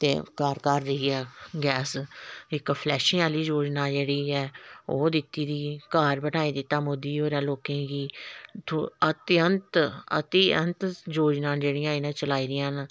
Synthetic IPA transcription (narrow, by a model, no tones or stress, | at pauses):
t̪ḛːkaːɾkaɾːəiːɛːɡɛːsɪkpʰlɛːʃĩːaːliːd͡ʒoːd͡ʒnaːd͡ʒeːɽiːɛːoːd̪ɪt̪ːiːd̪iːkaːɾbənaːiːd̪ɪt̪ːaːmod̪iːɦoːɾjãːloːkẽːɡiːt̪ʰːət̪ɪənt̪ə̰t̪iənt̪d͡ʒoːd͡ʒnãːd͡ʒeːɽɪjãːɪnãːt͡ʃəlaːiːɾɪjãːn